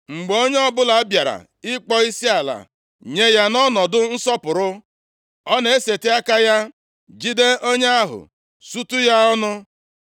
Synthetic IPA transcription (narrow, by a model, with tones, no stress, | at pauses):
ŋ͡m̩˨ɡ͡bo˦ɲe˦ɔ˦bʊ˦la˨a˦bja˨ɾa̰˨ | ɪ˦k͡pɔ˦i˦si˦a˨la̰˨ | ɲe˦ja˦nɔ˦nɔ˨dʊ˦n̩˦sɔ˦pʊ˨ɾʊ˦ | ɔ˦ne˨e˦se˨ti˦a˦ka˦ja˦ | d͡ʒi˦de˦o˦ɲe˦a˦ɦʊ̰˨ | su˦tu˦ja˦ɔ˦nʊ˦